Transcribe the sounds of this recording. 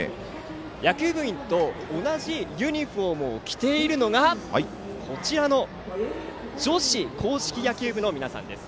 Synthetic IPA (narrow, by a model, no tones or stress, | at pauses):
jakʲɨːbɯ̟ĩnt̪o̞ːnaʑijʲɯ̟ɲ̟iɸo̞ːmɯ̟okʲi̥t̪e̞iɾɯ̟no̞ɡa | kʰo̞t͡ɕiɾano̞ | d͡ʑo̞ɕikʰo̞ːɕi̥kʲijakʲɨːbɯ̟no̞mʲinasã̰nd̪e̞sɨ̥